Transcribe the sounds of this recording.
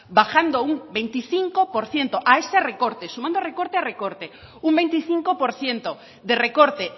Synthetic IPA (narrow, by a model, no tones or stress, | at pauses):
baxand̪ouŋbejnt̪iθiŋkopoɾθjent̪oʔaeserekoɾt̪esumãnd̪orekoɾt̪earekoɾt̪e | uŋbejnt̪iθiŋkopoɾθjent̪o | ðerekoɾt̪e